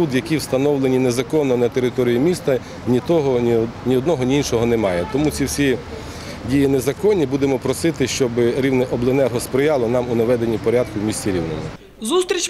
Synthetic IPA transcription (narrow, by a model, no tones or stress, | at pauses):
ud̪jɐkʲiwst̪ɐnɔwlˠenʲinezɐkɔnːɔnɐt̪eɾɪt̪ɔɾʲijimʲist̪ɐ | nʲit̪ɔɦɔnʲiɔd̪nɔɦɔnʲiinʃɔɦɔnemɑjɛt̪ɔmut͡sʲiwsʲi | dʲijinezɐkɔnʲːibud̪emɔpɾɔsɪt̪ɪʃt͡ʃɔbɪɾʲiwnɛʔɔblˠɪnɛrɦɔspɾɪjɑlˠɔnɑmʊnɐʋɛd̪enʲːipɔɾʲɑd̪̚kʊwmʲisʲt͡sʲiɾʲiwnɔmʊ | zust̪ɾʲit͡ʃ